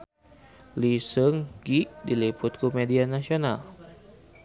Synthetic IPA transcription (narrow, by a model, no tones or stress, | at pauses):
lisəŋɡiʔdilipʊt̪̚kumedianasional